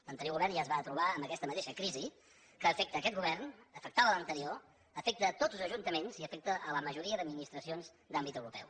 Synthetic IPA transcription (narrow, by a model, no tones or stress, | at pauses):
lənt̪əɾioɣuβɛrnʒazβat̪ɾuβaəmbəkɛst̪əmət̪eʃəkɾizi | kəːfɛk̚t̪əːkɛt̪ɡuβɛrnəfək̚t̪aðələnt̪əɾio | əfɛk̚t̪əːt̪o̥zl̩ˠzəʒunt̪əmenziəfɛk̚t̪əʔələməʒuɾiəd̪əd̪minist̪ɾəsionz | d̪ambit̪əwɾupɛw